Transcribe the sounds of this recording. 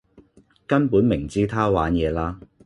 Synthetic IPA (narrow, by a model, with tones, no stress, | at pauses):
kɐ˥npuː˨˥nmɪ˨˩ŋt͡siː˥t̪ʰaː˥waː˨˥njɛː˨˧laː˥